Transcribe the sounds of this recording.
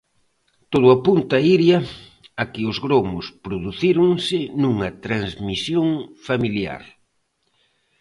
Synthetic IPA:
t̪oðʊɐpunt̪ɐiɾjɐ | akɪʊzɣɾomʊspɾoðuθiɾʊŋsɪnuŋɐt̪ɾanzmisjoŋfamilja̰ɾ

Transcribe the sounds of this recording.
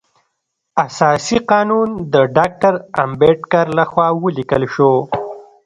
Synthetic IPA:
asɑsiqɑːnund̪əɖɑk̚ʈaɾa̰mbeʈkaɾlaxwɑːwəlikəlʃo

